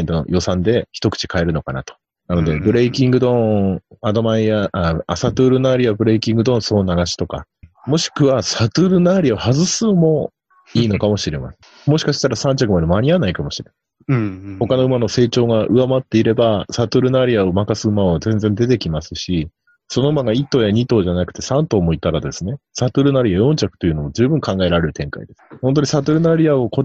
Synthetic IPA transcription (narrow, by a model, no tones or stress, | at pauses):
nt̪ono̰jʔo̞sãnd̪e̞çi̥t̪o̞kɯ̟̥t͡ɕi̥kae̞ɾɯ̟no̞kana̰t̪o̞̥ | nano̞d̪e̞bɯ̟ɾe̞ikʲĩŋɡɯd̪õ̞ad̪o̞maiaʔaːsat̪ɯːɾɯ̟naɾiabɯ̟ɾe̞ikʲĩŋɡɯ̟d̪õ̞so̞ːnaɡaɕi̥t̪o̞ka̰mo̞ɕi̥kɯ̟βasat̪ɯɾɯ̟naɾʲiaohazɨsɨmo̞ | iːno̞kamo̞ɕiɾe̞ma̰sẽ | moɕi̥kaɕi̥t̪aɾasãɲ̟t͡ɕakɯmad̪emaɲ̟ianaikamo̞ɕiɾema | ho̞kano̞ɯ̟mano̞se̞ːt͡ɕo̞ːɡaʔɯ̟amat̪ːe̞iɾe̞basat̪ɯɾɯ̟naɾʲiaomakasɨɯ̟maβazẽ̞nd͡zẽ̞nd̪e̞t̪e̞kʲimasɨɕi | so̞no̞ɯmaɡait̪ːoːjaɲ̟it̪o̞ːʑanakɯ̟̥t̪e̞sãnt̪o̞ːmo̞it̪aɾad̪e̞sɨne̞sat̪ɯɾɯ̟naɾʲiajõ̞ɲt͡ɕakɯ̟̥t̪o̞jiɯ̟nood͡ʑɨːbɯ̟̃ŋkãŋɡae̞ɾaɾe̞ɾɯ̟t̪ẽ̞ŋka̰id̪e̞sɨ̥ho̞nt̪o̞ɲ̟isat̪ɯɾɯ̟naɾʲiao̞ko̞